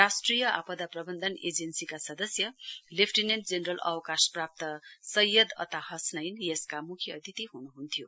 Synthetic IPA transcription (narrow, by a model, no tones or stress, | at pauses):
asʈrijʌʔa̰pʌd̪aprʌbʌnd̪ʱʌned͡zensikasʌd̪ʌsjʌlepʰʈinenʈd͡zenrʌlʔʌ̰wkasprap̚t̪ʌsʌjːʌd̪ʌ̰t̪ahʌsnʌjnjeskamukʰjʌt̪it̪iɦunuɦunt̪ʰijo